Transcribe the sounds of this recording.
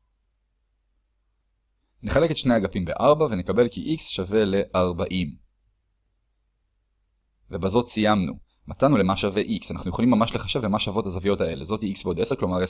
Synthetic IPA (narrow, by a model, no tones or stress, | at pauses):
neχale̞ket̪ʃnejaɡapimbe̞̰ʔaʁbave̞nekabe̞lkiʔiksʃave̞le̞ʔaʁbaʔim | ve̞bazo̞tsijamnṵ | mat͡sanule̞maʃaveʔiksanaχnujolimːamaʃle̞χaʃe̞vlemaʃavo̞thazavijo̞tae̞le̞zo̞t̪hiiksbeod̪e̞se̞klo̞maʁe